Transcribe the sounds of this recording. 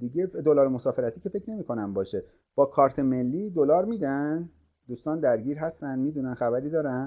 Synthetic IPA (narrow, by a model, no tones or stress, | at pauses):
d̪iɟefd̪olɒːɾemo̞sɒːfe̞ɾæt̪ʰiːcʰe̞fe̞cʰne̞miːkʰo̞næmbɒːʃe | b̥ɒːkʰɒːɾt̪ʰeme̞lːiːd̪olɒːɾmiːd̪æn | d̪uːst̪ɒːnd̪æɾɟiːɾɦæst̪ænd̪miːd̪uːnænxæbæɾiːd̪ɒːɾæn